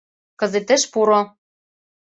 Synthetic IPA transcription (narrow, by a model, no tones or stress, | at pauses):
kɤ̆zet̪ɘ̆ʃpuɾo